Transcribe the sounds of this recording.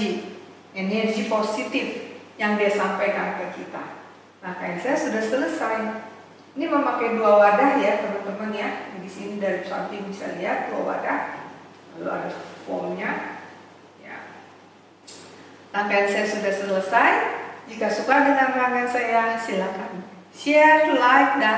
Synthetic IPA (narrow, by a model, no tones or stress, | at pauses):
i | enɛrd͡ʒiposit̪ɪf | jaŋdiasampajkanakakit̪a̰ | laŋkajansajasudahsələsaj | niməmakajduawadahjat̪əmənt̪əmənjadisinidaɾit͡ʃa̰nt̪ɪŋbisa̰liɦat̪̚dua̰wa̰dah | ka̰lṵa̰dafɔ̰mɲa | ja̰ | laŋkajansajasudahsələsajd͡ʒikasukadəŋanlaŋkansajasilakan | siatlajk̚da